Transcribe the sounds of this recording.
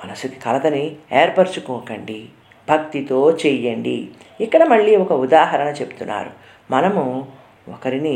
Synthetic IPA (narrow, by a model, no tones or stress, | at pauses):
mɐnɐsuki̥kɐlɐd̪ɐnieːɾpɐɾt͡ʃukɔːkɐɳɖi | bʱɐk̚t̪it̪o̞ːt͡ʃɛjɐɳɖḭ | ikːɐɽɐmɐɭːiːɔkɐud̪aːɦɐɾɐɳɐt͡ʃe̞bu̥t̪unːa̰ːɾṵ | mɐnɐmu | ɔ̰kɐɾini